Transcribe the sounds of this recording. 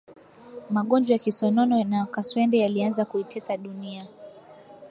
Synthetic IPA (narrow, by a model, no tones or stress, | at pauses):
maɠɔnd͡ʒwajakisɔnɔnɔnakaswɛndɛjalianzakuitʰɛsaɗunia